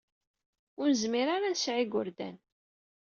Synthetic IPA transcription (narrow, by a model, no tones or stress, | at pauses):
ʊɾnəzmiɾaɾansʕiɡʊɾd̪æ̰n